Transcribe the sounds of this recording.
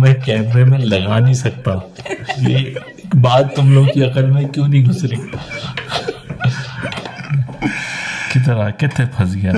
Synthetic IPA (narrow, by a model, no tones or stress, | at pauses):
mẽkɛːmɾemẽlɐɡanɐĩsɐk̚t̪aːje | baːd̪̚t̪ʊmloːɡkiɐqəlmẽkjũːnɐɦĩɡʱʊsɾiː | kɪt̪̬ɾakɪt̪ʰepʰɐsɡja